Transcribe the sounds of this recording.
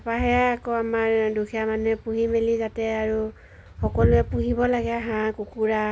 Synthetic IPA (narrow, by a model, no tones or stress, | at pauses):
apaɦɛaːkoamaɹdukʰijamanuɛpuɦimelizatɛaɹu | xɔkɔlʊɛpuɦibɔlaɡɛɦãkukuɹa